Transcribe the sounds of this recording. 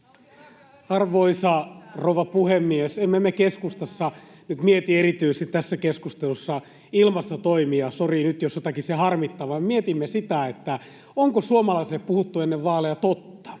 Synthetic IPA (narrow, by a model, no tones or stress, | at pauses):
ɑrʋoisɑrouʋɑpuhemːiesemːemːekeskust̪ɑsːɑ | nyt̪miet̪ierit̪yijsest̪it̪æsːækeskust̪elusːɑ | ilmɑst̪ot̪oimiɑsorinyt̪josjot̪ɑkisehɑrmit̪ːɑːʋɑmemiet̪imːesit̪æet̪ːæ | oŋkosuomɑlɑiseːppuhut̪ːuenːeʋʋɑːlejɑt̪ot̪ːɑ̥